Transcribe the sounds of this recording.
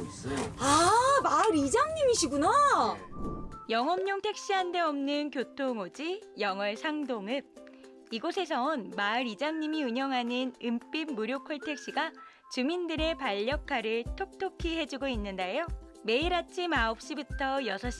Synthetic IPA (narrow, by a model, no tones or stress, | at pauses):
amaɾid͡ʑaŋɲimiɕʰiɡuna | jʌŋɦʌmɲoŋtʰe̞k̚ɕ͈iɦande̞ʌmnɯnkjotʰoŋod͡ʑijʌŋʌɭsʰaŋdoŋɯp̚ | iɡosʰe̞sʰʌonmaɾid͡ʑaŋɲimiɯɲʌŋɦanɯnɯmp͈imːuɾjokʰʌɭtʰe̞k̚ɕ͈iɡa | t͡ɕumindɯɾe̞paʎːʌkʰaɾɯɭtʰok̚tʰokʰiɦe̞d͡ʑuɡoinːɯndajo | me̞iɾat͡ɕʰimaop̚ɕ͈ibɯtʰʌjʌsʰʌɕ͈